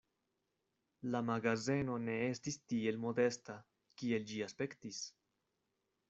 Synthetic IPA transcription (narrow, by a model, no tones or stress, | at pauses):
lamaɡaze̞no̞ne̞estistie̞lmo̞de̞sta | kie̞ld͡ʒiaspe̞ktis